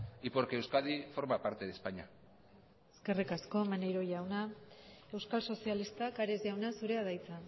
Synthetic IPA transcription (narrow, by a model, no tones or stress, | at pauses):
ipoɾkeewskaðifo̞ɾmapaɾt̪eðespaɲa | eske̞rikasko̞manejɾo̞ʝawnae̞wskalso̞sialist̪akaɾezʝawnasuɾe̞aðajt͡sa